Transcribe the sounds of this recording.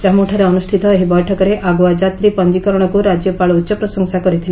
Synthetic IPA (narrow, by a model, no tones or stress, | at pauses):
d͡ʒamuʈʰaɾeɔnusʈʰit̪ɔeɦibɔjʈʰɔkɔɾeʔaɡwad͡ʒat̪ɾipɔnd͡ʒikɔɾɔɽ̃ɔkuɾad͡ʒjɔpaɭutːʃɔpɾɔsɔŋsakɔɾit̪ʰile